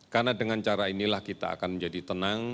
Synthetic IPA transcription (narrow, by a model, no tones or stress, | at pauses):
karnadəŋant͡ʃaɾainilahkit̪a̰ːkanməɲd͡ʒadit̪ənaŋ